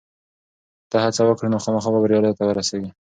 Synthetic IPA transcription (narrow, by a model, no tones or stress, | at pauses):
t̪ahat͡sawəkɽinoxɑmɑxɑbabaɾjɑlɑjot̪awəɾaseɡi